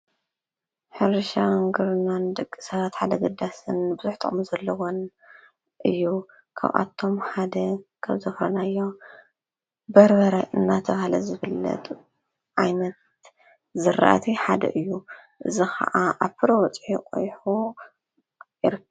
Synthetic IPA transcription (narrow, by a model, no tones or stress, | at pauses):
ħɨɾʃaŋɡɨɾnand̪ɨkʼːisɐβat̪ħad̪ɐɡɨd̪asɨnbɨzuħt̪ʰʼɨ̰χʼmuzɐlːɐwon | ʔɨjːu | kʰa̰βʔa̰t̪ʰo̞mħad̪ɐkʰaβzɐfɾɐnajːo | bɐɾbɐɾɐʔɨnːat̪ʰɐβahalɐ̰zɨβɨlːɐ̰t̪ʰ | ʕajnɐt̪ | zɨɾa̰ʔa̰t̪ʰiħad̪ɐ̰ʔɨjːu | ʔɨzixɐ̰ʔaʔaβpʰɨɾɐwɔt͡sʼħikʼo̰jħu | jɪɾɨkː